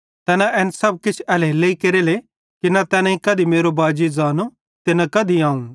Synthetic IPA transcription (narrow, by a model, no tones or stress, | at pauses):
t̪ɛːnaʔɛːnsɐb̚kɪt͡ʃʰɛleleikeɾeːle | kinɐt̪ɛːnãikɐd̪imeːɾobaːd͡ʒid͡zaːno | t̪enãkɐd̪iãːũ